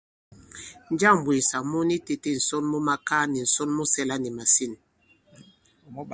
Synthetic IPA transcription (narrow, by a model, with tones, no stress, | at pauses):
n˦d͡ʒa˦˨m˨bwe˨sa˨mu˦ni˦te˨te˦˨n̩˨sɔ˦nmu˦ma˦ka˦ni˨n̩˨sɔ˦nmu˦sɛ˦la˦ni˨ma˨si˦˨n